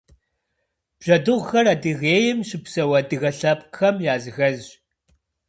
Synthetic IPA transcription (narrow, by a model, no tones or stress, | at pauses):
b̥ʒ̥ɐdɨʁʷxɐradɨɣeːjɪmɕɪpsɐwɐdɨɣɐɬɐpxɐmjaːzɨɣɐz